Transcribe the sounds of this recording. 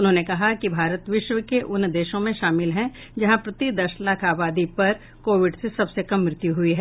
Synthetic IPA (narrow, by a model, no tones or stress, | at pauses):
ʊnɦõːnekɐɦakibʱaːɾət̪ʋɪʃʋəkeʔʊnd̪eːʃõmẽʃaːmɪlɦɛ̃ | d͡ʒɐɦãpɾɐt̪id̪ɐʃlaːkʰaːbaːd̪ipɐɾ | koːʋɪɖsesɐbsekɐmːɾɪt̪juɦʊiɦɛː